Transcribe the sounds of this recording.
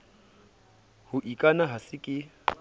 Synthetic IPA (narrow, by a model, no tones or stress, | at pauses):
hʊʔikʼanaɦasɪkʼɪ